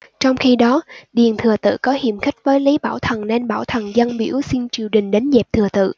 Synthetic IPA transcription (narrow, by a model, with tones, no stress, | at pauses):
t͡ɕɔ˧wŋ͡mxi˧ɗɔ˨˦ɗi˨˩ənt̪ʰɨ˨˩ət̪ɨ̰˧˨kɔ˨˦hḭ˧˨əmxï˦˥k̟̚vəː˨˦jlə˨˦jɓaː˧˩wt̪ʰə˨˩nne˧nɓaː˧˩wt̪ʰə˨˩nzə˧nɓḭ˧˥əwsi˧nt͡ɕi˨˩əwɗï˨˩ŋ̟ɗe˨˦nzɛ˨˩p̚t̪ʰɨ˨˩ət̪ɨ̰˧˨